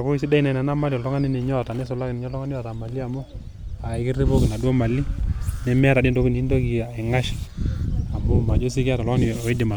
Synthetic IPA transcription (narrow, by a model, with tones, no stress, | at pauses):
a˨ko˦i˦si˦da˦i˨na˨na˨na˦ma˦ljɔ˨lɔ˦ŋa˦ni˦nɛ˨ɲɔ˦˨ta˨nɛ˦sɔ˨la˦knɛ˨ɲɔ˦lɔ˦ŋa˦ni˦a˨ta˨ma˨li˦a˨mo˦ | a˨ɪ˦kɪ˦ri˦po˦kɪ˨na˨dwɔ˦ma˨li˦nɛ˦mɛ˦a˦ɾa˨di˦ndo˦ki˨n˨˦ndo˦ki˨a˨ɛ˨ŋa˦ʃi̥˨ | a˨mo˦ma˨d͡ʒo˦si˦kɪ˦a˦ta˨lɔ˦ŋa˦n˨ɔ˨ɪ˦dɪ˨ma˨